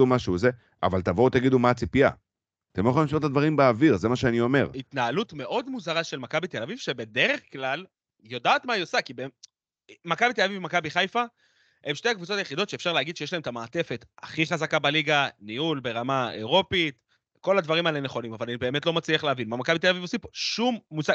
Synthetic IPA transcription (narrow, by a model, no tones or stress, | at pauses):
umaʃuːze | a̰valt̪avot̪aɡid̪umat͡sipija̰ | t̪emoeolimʃot̪advaʁimbeaviʁzemaʃeanio̞me̞ʁit̪naalutme̞ʔo̞d̪muzaʁaʃe̞lmakabit̪e̞lavivʃebe̞de̞ʁeχklal | jo̞daːt̪maiosekibe | makabit̪elavivmakabiχajfa | emʃtejakvut͡so̞t̪ajeχido̞tʃeefʃaʁlehaɡid̪ʃejeʃlaemet̪amaːt̪e̞fe̞t̪aχiχazakabaliɡaniulbe̞ʁamaḛʁo̞pit̪ | ko̞lad̪vaʁimaeleneχo̞nimavalanibe̞ːme̞t̪lo̞mat͡sliaχleavinmamakabit̪elavivosipo̥ʃumːusa